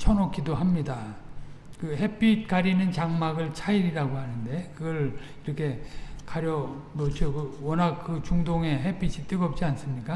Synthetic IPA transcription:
t͡ɕʰʌnok͈ʰidoɦamɲida | kɯhep͈ʰit̚kaɾinɯnt͡ɕaŋmaɡɯɭt͡ɕʰaiɾiɾaɡohanɯnde̞kɯɡʌɭiɾʌkʰe̞kaɾjʌmot͡ɕʰokɯwʌnak̚kːɯt͡ɕuŋdoŋe̞ɦepʰit͡ɕʰit͈ɯɡʌp̚t͡ɕ͈ians͈ɯmɲik͈a

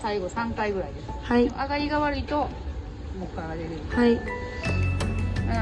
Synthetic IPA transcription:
saiɡo̞sãŋkaiɡɯ̟ɾaid̪esɨ̥haḭʔaɡaɾʲiɡaβaɾɯ̟it̪o̞ | mokɯaɡaɾeɾɯ̟hai

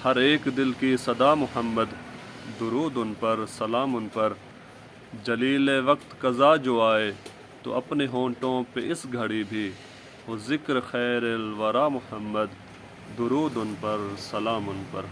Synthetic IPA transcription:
hɐɾeːkd̪ɪlkisɐd̪aːmʊhəmːəd̪d̪ʊɾuːd̪ʊnpɐɾsɐlaːmʊnpɐɾ | d͡ʒɐliːleʋɐkt̪kɐzaːd͡ʒoːaːe | t̪o̰ɐpneɦõːʈõːpeʔɪsɡʱɐɽibʱi | ɦoːzɪkɾxɛːɾelʋɐɾaːmʊhəmːəd̪ː | ʊɾuːd̪ʊnpɐɾsɐlaːmʊnpɐɾ

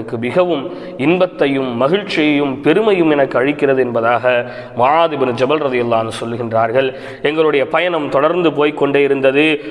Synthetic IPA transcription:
ɐkːɯmɪɣɐʋɯm | ɪnbɐt̪ːɐjɯmːɐɣɪɻt͡ʃːɪjɐjɯmpɛɾɯmɐjɯmɛnɐkːɯɐɻɪkːɪrɐðɯɛnbɐðaːɣɐ | mʊʕaːd̪ɪbnɯd͡ʒɐbɐlɾɐðɪjɐlːaːɐnːɯsɔlːɯɣɪndraːɾɣɐɭ | ɛŋɡɐɭɯɽɐjɐpɐjɐnɐmt̪ɔɽɐɾnd̪ɯp̬oːjkːɔɳɖeːɪɾɯnd̪ɐðɯ

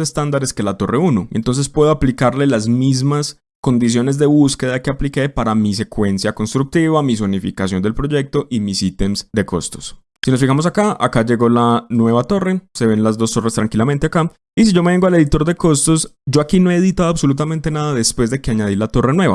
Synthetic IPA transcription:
sest̪and̪aɾe̞ske̞lat̪o̞re̞unoent̪o̞ns̬espwe̞ð̞oaplikaɾle̞lazmizmas | ko̞nd̪is̬jo̞ne̞zd̪e̞βuske̞ðake̞aplike̞paɾamis̬e̞kwe̞nsjako̞nst̪ɾuk̚t̪iβamis̬onifikasjo̞nd̪e̞lpɾo̞ʝe̞k̚t̪o̞ʔimisit̪emsd̪e̞ko̞̰st̪o̞̥s | sinosfixamos̬akaa̰kad͡ʒe̞ɣo̞lanwe̞βat̪o̞re̞se̞βe̞nlazd̪o̞st̪o̞rest̪ɾaŋkilament̪eaka | isiʝo̞me̞βeŋɡo̞ale̞ðit̪o̞ɾd̪e̞ko̞st̪o̞sd͡ʒo̞akino̞e̞ðit̪aðoaβso̞lut̪̬amẽnt̪e̞naðaðe̞spwe̞zd̪e̞keaɲaðilat̪o̞re̞nwe̞βa̰

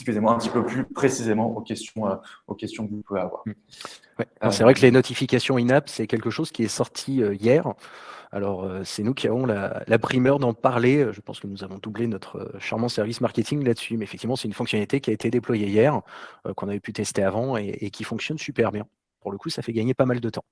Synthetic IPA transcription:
skʲyzemɑ̃ɛ̃t̪i̥pøplypχesizemɑ̃ʔokʲɛst̪jɔ̃øokʲɛst̪jɔ̃kəvupuveavwa̰ʁ | wɛɔsɛvʁɛklenɔt̪ʰifikʲasjɔ̃inapsɛkʲɛlkəʃoz̥kʲiɛsɔʁt̪ʰiøjɛʁa̰lɔʁøsɛnukʲʰiavɔ̃la̰lapχimœʁd̪ɑ̃paʁleøʒəpɑ̰̃skənuzavɔ̃d̪ublenɔt̪χə̰ʃaʁmɑ̃sɛʁvismaʁkʲet̪ʰiŋlad̪əsymɛfɛk̚t̪ivmɑ̃sɛt̪ynfɔ̃ksjɔnalit̪ekʲiaet̪ed̪eplwajejɛʁøkɔ̃navɛpyt̪ɛst̪eavɑ̃eekʲifɔ̃ksjɔnsypɛʁbjɛ̃ | puʁləkusafɛɡaɲepamald̪ət̪ɑ̃

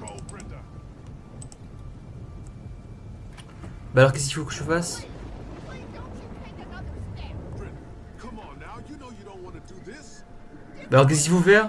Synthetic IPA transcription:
obɹɛ̃n | balɔʁkɛs̬ifukəʒəfas | bɹɪ̃n | kʰʌ̃m̃nːaʊjɨnoʊjɨɾõʊ̃nʔwɑ̃nədɨðɪs | balɔʁk̬ɛs̬ivufɛʁ

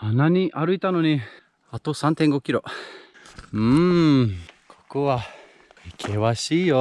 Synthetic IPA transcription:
anaɲ̟iʔaɾɯ̟it̪ano̞ɲ̟i | at̪o̞sãnt̪ẽŋɡo̞kʲiɾo̞ | ɯ̃ | kʰo̥kɯβa | ikʰeβaɕiːjo

